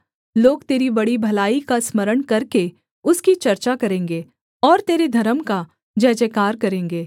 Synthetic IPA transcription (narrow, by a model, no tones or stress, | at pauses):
loːɡt̪eːɾibɐɽibʱɐlaːikasməɾəɽ̃kɐɾke | ʊskit͡ʃɐɾt͡ʃakɐɾẽːŋɡeː | ɔːɾt̪eːɾed̪ʱɐɾəmka | d͡ʒɛːd͡ʒekaːɾkɐɾẽːŋɡeː